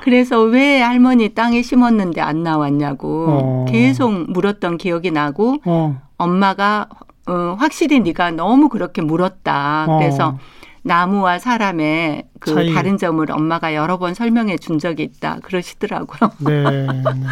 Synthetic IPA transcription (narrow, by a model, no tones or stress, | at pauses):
kɯɾe̞s̬ʰʌwe̞aɭmʌɲit͈aŋeɕʰimʌnːɯnde̞a̰nːawaɲːaɡoke̞s̬ʰok̚muɾʌt̚t͈ʌnkijʌɡinaɡo | ʌmːaɡa | ɯɸwak̚ɕ͈iɾiniɡanʌmukɯɾʌkʰe̞muɾʌt̚t͈akɯɾe̞sʰʌnamuwasʰaɾame̞kɯtaɾɯnd͡ʑʌmɯɾʔʌ̰mːaɡajʌɾʌbʌnsʰʌɭmjʌŋe̞t͡ɕund͡ʑʌɡiːt̚t͈a̰kɯɾʌɕʰi̥d̥ɯɾa̰ɡojo